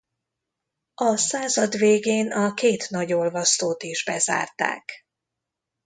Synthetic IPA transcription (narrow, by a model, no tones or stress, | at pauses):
ɒsaːzɒd̪veːɡeːnɒkeːt̪nɒɟo̞lvɒst̪oːt̪iʒbɛza̰ːrt̪a̰ːk